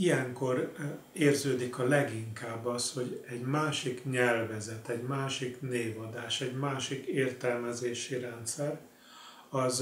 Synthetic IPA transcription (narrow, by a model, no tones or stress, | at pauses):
ijɛŋko̞r | eːrzøːd̪ikɒlɛɡiŋkaːbːɒst̪ho̞ɟɛɟmaːʃikɲɛlvɛzɛt̪ɛɟmaːʃikneːvɒd̪aːʃɛɟmaːʃikeːrt̪ɛlmɛzeːʃiɾɛnt̪sɛr | ɒz